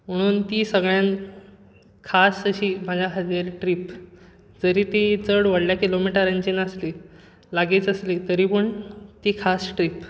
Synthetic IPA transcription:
m̤əɽ̃uːnt̪iːsəɡɭjan | kʰasəɕiːm̤ad͡ʑʱjaɦʰəd͡ziɾʈɾiːp | d͡zəɾiːt̪et͡səɽʋəɽljakilomiʈəɾə̃ɲt͡ɕinəsli | laɡit͡səslit̪əɾiːpəɳt̪ikʰasʈɾiːp

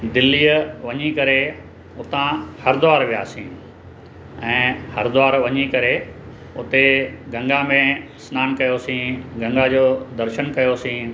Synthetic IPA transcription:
d̪ɪlːiːəʋɐɲikɐɾe | ʊt̪ãhɐɾd̪ʊaːɾʋija̰ːsĩː | ɛ̃ːhɐɾd̪ʊaːɾʋɐɲikɐɾe | ʊt̪eɡɐ̃ŋɡamẽ | snaːnkɐjosĩːɡɐ̃ŋɡad͡ʑoːd̪ɐɾʃənkɐjosĩː

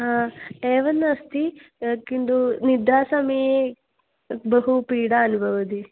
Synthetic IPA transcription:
ɦãːeːʋɐnːɐst̪ikind̪unid̪ʱaːsɐmee | bɐɦupiːɽaːnubʱɐʋɐd̪i

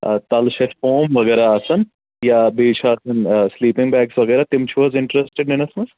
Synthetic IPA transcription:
t̪ɐlʃɐt̪foːmʋɐɡɛːɾaɐsɐn | jabeːt͡ʃʰaɐsɐnsliːpɪŋɡbɛːksʋɐɡɛːɾat̪ɪmt͡ʃʰiʋɐzɪ̃ɳʈɾesʈeɖnenɐsmɐz

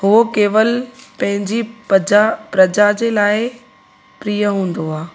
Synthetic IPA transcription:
ɦʊokeːʋəlpɐ̃ɦɪ̃ɲd͡ʑid͡ʑapɾɐd͡ʑad͡ʑeːlaːɪ | pɾiːjəɦũːn̆d̪oaː

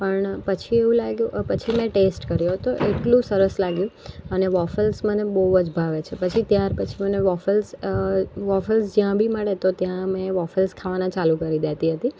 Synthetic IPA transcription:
pəɳpət͡ʃʰieʋũlaɡjũpət͡ʃʰimɛ̃ʈesʈkəɾjoɦt̪oʔeʈlũsəɾəslaɡjũəneʋɔfəlsmənebəɦud͡ʒbʱaʋet͡ʃʰepət͡ʃʰit̪jaɾpət͡ʃʰiməneʋɔfəls | ʋɔfəlsd͡ʒjãbʱiməɭet̪ot̪jãmẽʋɔfəlskʰaʋanãt͡ʃalũkəɾid̪et̪iɦət̪i

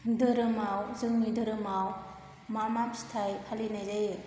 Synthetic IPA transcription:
dɯɾɯmawzɯŋnidɯɾɯmaw | mamap̚stʰajhʰalinajzej

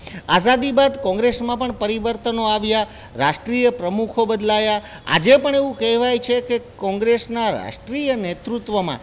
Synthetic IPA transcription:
azad̪ibad̪kɔ̃ŋɡɾesmãpəɳpəɾiʋəɾt̪ənoaʋja | ɾaʃʈɾijəpɾəmukʰobəd̪lajaa̰d͡ʒepəɳeʋũkɛɦʋajt͡ʃʰekekɔ̃ŋɡɾesnaɾa̰ʃʈɾijənet̪ɾut̪ʋəmã̰

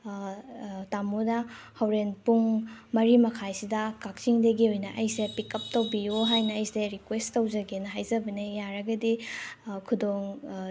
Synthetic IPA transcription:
tamunɐhɐwɾenpuŋmɐɾimɐkʰajsidɐkak̚t͡ʃiŋdɐɡiojnɐʔɐjsepikɐp̚tɐwbijuɦajnɐɐjseɾikwesttɐwzɐɡenɐɦajzɐbɐnejaɾɐɡɐdikʰudoŋ

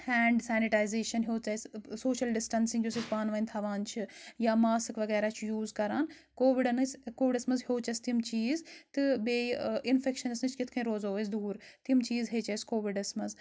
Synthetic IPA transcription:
hɛːɳɖsɛːniʈaːjzeːʃɐnɦoːt͡ʃɐssoːʃɐlɖɪsʈɐnsĩŋɡjosispaːnʋɐnʲt̪ʰɐʋaːnt͡ʃʰijaːmaːsɨkʋɐɣɛːɾaːt͡ʃʰujuːzkɐɾaːn | koːʋiɖnɨsʲkoːʋɪɖɐsmɐzɦjoːt͡ʃɐst̪imt͡ʃiːzt̪ɨbeːɪnfekʃɐnsnɨt͡ʃʰkɪt̪ʰkʰɐ̃ĩɾoːzoːʋɐsʰd̪uːɾt̪imt͡ʃiːzɦeːt͡ʃɐjskoːʋiɖɐsmɐz

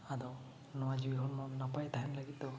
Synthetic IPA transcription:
ad̪ɔ | nɔwad͡ʒuiɦɔnmɔnapajt̪aɦɛnlaɡit̪ɔ

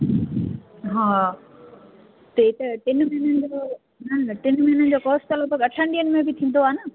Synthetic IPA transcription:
ɦãː | t̪eit̪ɐʈɪnmɐɦnənd͡ʑo | nɐnʈɪnmɐɦinənd͡ʑoːkoːsʈɐləbəɡɐʈʰãːɳɖijənmẽbit̪ʰĩːnd̪oaːnə

